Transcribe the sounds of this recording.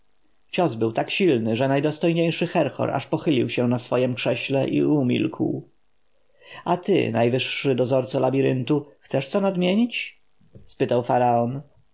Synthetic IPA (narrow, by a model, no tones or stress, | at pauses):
t͡ɕɔzbɘwt̪akɕilnɘʐɛnajd̪ɔst̪ɔjɲejʂɘxɛɾxɔ̰ɾʔa̰ʂpɔxɘlʲiwɕɛnasfɔjɛmkʂɛɕlɛʔḭumʲḭlkʰw | at̪ɘ̰najvɘʂːɘd̪ɔzɔɾt̪salabʲiɾɘnt̪uxt̪sɛʂt̪sɔnad̪mʲjeɲit͡ɕ | spɘt̪awfaɾaɔn